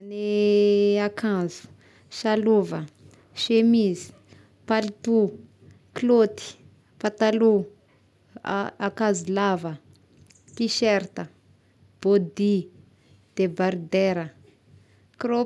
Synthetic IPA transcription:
ne | akʰãnzu̥ | ʃaluvə | ʃemizi̥ | palit̪u | klot̪i̥ | pat̪alu | akazilavə | kiʃeɾt̪ə | b̥od̪i | d̪̥ebaɾd̪eɾə | kɾo

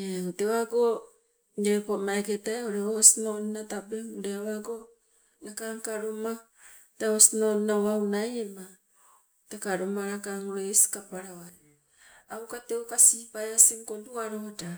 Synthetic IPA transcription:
eoteβaɡo | eɾepomaeketaeoɾeosnoninatabeŋoɾeaβaɡo | nakaŋkaɾoma | taosinoninaβawnajema | tekaɾomaɾakaŋoɾesi̥kapaɾawa | awkatewkasipajasiŋkonduaɾota

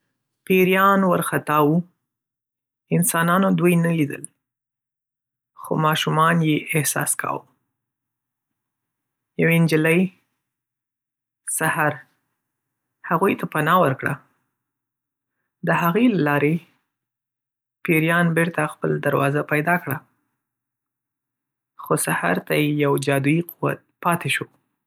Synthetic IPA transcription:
peɾjɑnwəɾxat̪ɑwu | ɪnsɑnɑnod̪ujnalid̪ə̰l | xo̰mɑʃumɑnjeʔɪhsɑ̰skʰɑ̰w | jawend͡ʒələj | sahaɾ | haɣujt̪ʰapanɑwəɾkɽa̰ | d̪əhaɣejlalɑɾe | peɾjɑnbeɾt̪axpəld̪aɾwɑ̰zapajd̪ɑkɽa | xosaha̰ɾt̪ajejawd͡ʒɑd̪uiqʰuwa̰t̪̚pɑt̪eʃo

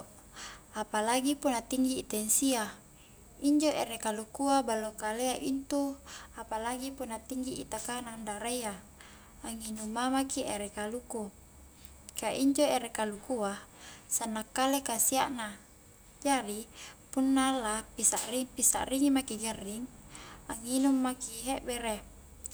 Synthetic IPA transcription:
apalaɡipunːat̪iŋɡit̪ɛnsia | iɲd͡ʒoʔeɾekalukuabalːokaleaʔint̪uapalaɡipunːat̪iŋɡḭːt̪akanandaɾajaː | ŋinumamakiʔeɾekaluku | kaʔiɲd͡ʒoeɾekalukuasanːakːalekasiaʔna | d͡ʒaɾipunːalapisaʔripisa̰ʔriŋimakiɡarːiŋaŋinumːakiɦeʔbeɾe

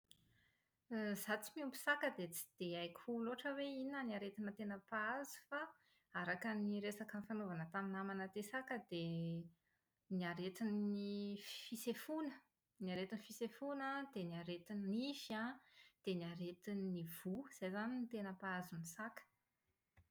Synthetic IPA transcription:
zat͡simiumpi̥sakəd̪et͡si̥d̪̥eajkʲʰuloaʈ͡ʂəweinaniaɾet̪inət̪enəpaazu̥fa | aɾakəniɾesakənfanovanət̪aminamanət̪esakəd̪e | niaɾet̪inifisefunə | niaɾet̪inifisefunəd̪̥eniaɾet̪inifad̪̥eniaɾet̪inːiv̥uz̥ajzanint̪enəpaazumisakə̥

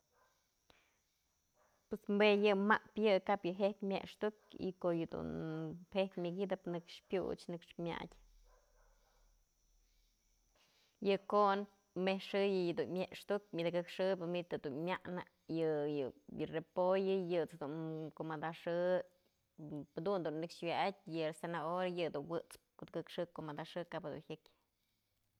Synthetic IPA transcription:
pwesmbejɨmaʔpjɨkapjɨɦekʲmʲḛʔʂt̪ukḭkojɨd̪ṵnhehk̪ʲmʲɨɡid̪ɨpnɨkʂpʲjṵt͡ʃnɨkʂmʲa̰dʲ | jɨkoʔn | mehʂɨjɨjad̪unmʲeʔʂt̪uk̚mʲid̪kɨkʂɨbɨmit̪ɨd̪unmʲaʔna | jɨjɨjɨrepojɨjɨt͡sd̪unkomad̪aʂɨ | d̪und̪unːɨkʂwʲaʔat̚ʲjɨaɾsenaoɾajɨd̪unwɨt͡spkot̪kɨkʂɨkomad̪aʂɨkaphɨd̪ṵnhʲɨkʲ

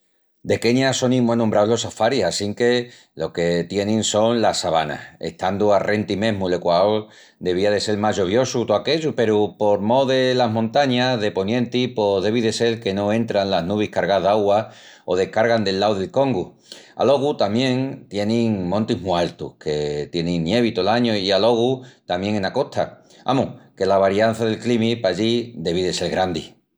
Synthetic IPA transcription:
d̪e̞ke̞ɲaso̞nĩŋmwenõmbɾaoɦlo̞safaɾisasiŋke̞ | lo̞ke̞t̪jenĩŋso̞nlasaβana̰he̞̰ht̪and̪uarʔe̞nt̪imẽ̞ɦmule̞kwao | d̪e̞β̞iaðe̞se̞lmaʝo̞β̞jo̞sut̪oake̞ʝupe̞ɾupo̞ɾmo̞ðe̞laɦmõnt̪aɲaðe̞po̞njẽ̞nt̪ipo̞ðe̞β̞iðe̞se̞lke̞no̞ẽ̞nt̪ɾanlaɦnuβ̞ihkaɾɣaðaɣwa | oð̞e̞hkaɾɣand̪e̞lːawðe̞lko̞ŋɡu | a̰lo̞ɣut̪amjẽ̞ŋt̪je̞nĩŋmõnt̪imualt̪ṵkʰet̪je̞nĩŋnje̞β̞it̪olaɲoialo̞ɣ̞ut̪amje̞ŋẽnako̞ht̪ʰa̰ | a̰muke̞laβaɾjan̟θaðe̞lklimipaʎid̪e̞βiðese̞lɣɾand̪i

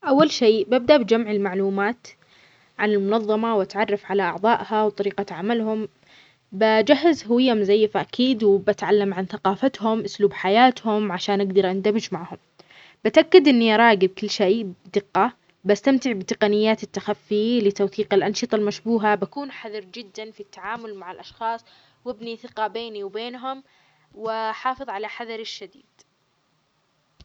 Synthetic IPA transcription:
ʔawːalʃeːbab̚d̪aʔbɪd͡ʒamʕɪlmaʕluːmaːt̪ | ʕanɪlmʊnɑðˤːɑmawʔat̪ʕɑrˤːɑfʕalaʔɑʕðˤɑːʔhawt̪ˤɑɾiːqaʕamalhʊm | bad͡ʒahːazhʊwɪjːamzajːfaʔakʰiːd̪wbat̪ʕalːamʕanθaqɑːfat̪hʊmʔʊsluːbħajaːt̪hʊmʕaʃaːnʔaɡd̪ɑɾˤʔand̪amɪd͡ʒmaʕhʊm | bɪt̪ʔakːad̪ʔɪnːiʔɑɾˤɑːɡɪb̚kɪlːʃeːʔd̪ɪqːɑ | bast̪amt̪ɪʕbɪt̪ɪqɑnɪjːaːt̪ɪt̪ːaxafːilɪt̪awθiːqɪlʔɑnʃɨt̪ˤɑlmaʃbuːɦabakuːnħaðɑɾˤd͡ʒɪd̪ːanfit̪ːaʕaːmʊlmaʕɪlʔɑʃxɑːsˤ | wɪbniθɪqɑbeːniwbeːnɦʊm | wɪħɑːfɨðˤʕalaħaðɑɾˤɪʃːad̪iːd̪̥

